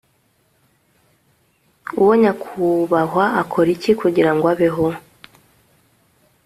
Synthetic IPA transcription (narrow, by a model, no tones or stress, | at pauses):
uwoɲakʰuβaɦwaːkʰoɾicikuɟiɾaŋɡwaβeɦo